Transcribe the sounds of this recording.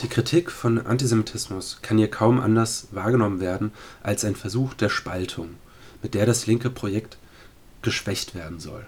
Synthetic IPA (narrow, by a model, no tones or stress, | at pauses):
d̥iːkʁ̥itʰiːkfɔnʔa̰ntizemitʰɪsmʊskʰanhiːɐkʰaʊmʔa̰ndɐɐsvaːɐɡənɔmənveːɐdn̩ʔalsaɪnfɛɐzuːxd̥eːɐʃpaltʰʊŋ | mɪt̚d̥eːɐɾaslɪŋkəpʁ̥ojɛkt | ɡ̥əʃv̥ɛçtv̥eːɐdn̩zɔ̰l